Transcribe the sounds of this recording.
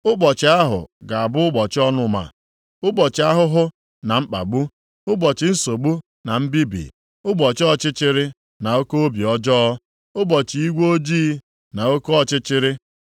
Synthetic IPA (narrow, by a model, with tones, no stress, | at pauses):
ʊ˦ɡ͡bɔ˨t͡ʃɪ˨˦a˦ɦʊ̰˨ɡa˨a˨bʊ˦ʊ˦ɡ͡bɔ˨t͡ʃɪ˦ɔ˦nʊ˦ma̰˨ | ʊ˦ɡ͡bɔ˨t͡ʃɪ˨˦a˦ɦʊ˦ɦʊ˦ | na˨ŋ͡m̩˦k͡pa̰˨ɡ͡bu˦ | ʊ˦ɡ͡bɔ˨t͡ʃɪ˨n̩˦so˨ɡ͡bu˦ | na˨m̩˦bi˦bḭ˨ | ʊ˦ɡ͡bɔ˨t͡ʃɔ˦t͡ʃɪ˦t͡ʃɪ˦ɾɪ˦ | na˨o˦ko˦o˦bi˨ɔ˦d͡ʒɔː˦ | ʊ˦bɔ˨t͡ʃi˨i˦ɡʷo˦d͡ʒiː˦ | na˨o˦ko˦ɔ˦t͡ʃɪ˦t͡ʃɪ˦ɾɪ˦